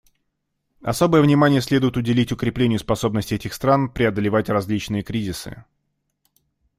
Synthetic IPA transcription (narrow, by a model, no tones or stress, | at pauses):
ɐ̰so̞bəjəvnʲɪmanʲɪjəsʲlʲed̪ʊjɪt̪ʊdʲɪlʲitʲʊkɾʲɪplʲenʲɪjʊspɐso̞bnəsʲtʲɪɛtʲɪxst̪ɾanpɾʲɪɐd̪əlʲɪvatʲrɐzʲlʲit͡ɕnɨjəkɾʲizʲɪsɨ̰